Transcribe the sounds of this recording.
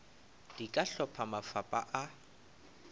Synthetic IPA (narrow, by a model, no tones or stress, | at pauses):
d̥ikʼaɬɔpʰamafapʼaʔa